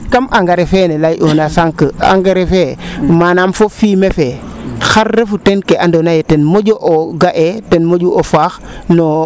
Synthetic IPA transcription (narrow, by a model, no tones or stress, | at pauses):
kamʔaŋɡaɾefenelajʔonasaŋkəa̰ŋɡaɾefemanamfofiːmefexaɾːefutenkeʔandonajetenmoɟoʔoɡaʔetenmoɟuʔofaxno